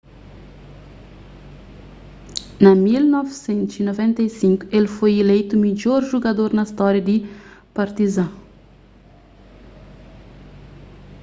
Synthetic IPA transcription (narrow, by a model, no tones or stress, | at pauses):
nɐmilnɔvsɛ̃nt̪zinovɛ̃nt̪ejsĩŋkuelfojelejt̪umid͡ʒoɾʒuɡad̪oɾnɐst̪ɔɾjɐd̪ipaɾt̪izã